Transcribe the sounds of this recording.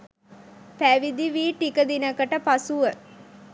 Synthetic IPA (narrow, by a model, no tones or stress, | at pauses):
pæʋid̪iʋiːʈikəd̪inəkəʈəpasuʋə